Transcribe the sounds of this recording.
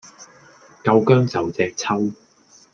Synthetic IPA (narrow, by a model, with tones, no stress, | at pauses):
kɐ˧wkœː˥ŋt͡sɐ˨wt͡sɛː˨˧k̚t͡sʰɐ˥w